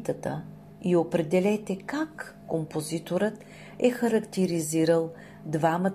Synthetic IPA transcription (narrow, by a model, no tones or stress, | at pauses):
t̪ət̪ə̰ | iopɾɛd̪ɛlɛt̪ɛkakː | ompozit̪oɾət̪ | ɛxəɾɐkt̪ɛɾiziɾəlˠ | d̪vamət̪